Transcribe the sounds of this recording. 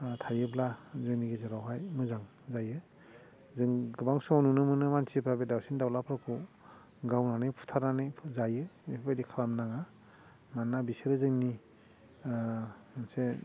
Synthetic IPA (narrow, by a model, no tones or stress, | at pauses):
tʰajɯblazɔjniɡizaɾawɦajmɯzaŋ | zajɯ | zɯŋɡɯbaŋsɔanunɯmɯnɯmansʰipʰɾabedawsindawlapʰɾakʰu | ɡawnanɯjpʰu̥tʰaɾnanɯjʰzajɯepʰabajdikʰalamnaŋa | manːabiseɾɯzɯŋni | manse